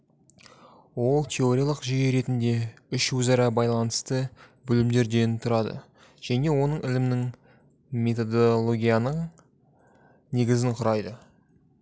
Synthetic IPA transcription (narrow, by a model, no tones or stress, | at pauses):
wo̞lˠt̪ʰe̞o̞ɾʲijalˠəqʒijeɾe̞t̪ɪnd̪e̞ʏʃwɵzɑɾɑbɑjlˠɑnəst̪əbʏlɪmd̪e̞ɾd̪e̞jɪnt̪ʰʊɾɑd̪ə̰ | ʒ̥æne̞wo̞nəɴɪlɪmnɪŋ | me̞t̪o̞d̪olˠo̞ɡʲijanəɴ | ne̞ɡʲɪzɪɴqʰʊɾɑjd̪ə